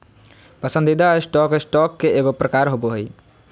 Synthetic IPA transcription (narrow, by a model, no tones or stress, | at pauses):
pəsə̃nd̪id̪asʈɔksʈɔkːeeɡopɾəkaɾɦoboɦoj